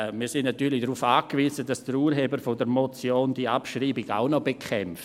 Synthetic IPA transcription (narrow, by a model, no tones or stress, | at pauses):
miːsɪndnatyːlɪdɾuːfaːkviːzəd̥asd̥əɾuːɾɦebəɾfodəɾmot͡sjoːnd̥iːapʃriːbɪɡa̰ʊnɔbekʰχɛmft